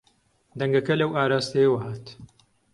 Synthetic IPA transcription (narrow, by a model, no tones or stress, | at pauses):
d̪ɐŋɡɐkɐlɐwaːɾaːst̪ejwɐɦaːt̪